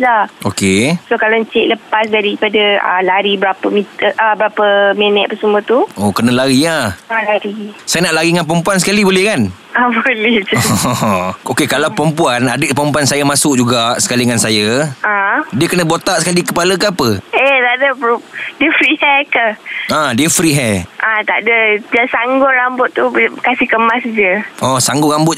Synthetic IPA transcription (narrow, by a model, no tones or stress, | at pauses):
laʔokesokalaɲt͡ʃɛʔləpas̬daɾipadəa̰laɾibəɾapəmit̪əʔabəɾapəmɛnɛʔ̪̚pəsəmə̃t̪uokənalaɾiahalaɾisajanaʔlaɾiŋanp̬ɾəmpuansəkalibolɛhkan | abolɛhd͡ʒ | okekalawpɾəmpuanadəpɾəmpuansajamasʊkd͡ʒuɡaʔsə̥kaliŋansajaadiəkənəbot̪aʔsəkalikəpaləkəapəet̪adəpdiəfɾihɛkəãdiəfɾiɦɛʔat̪a̰ʔdəd͡ʒasaŋɡʊtɾambʊt̪ːukasɪhkəmasd͡ʒəɔsaŋɡʊʔɾambʊt̪̚